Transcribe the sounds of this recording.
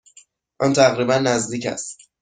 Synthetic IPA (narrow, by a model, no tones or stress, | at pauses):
ʔɒnt̪ʰæɣɾiːbænːæzd̪iːcʰæ̰st̪